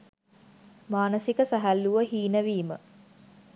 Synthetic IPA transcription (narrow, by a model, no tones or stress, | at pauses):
maːnəsikəsæɦælːuʋəhiːnəʋiːmə̰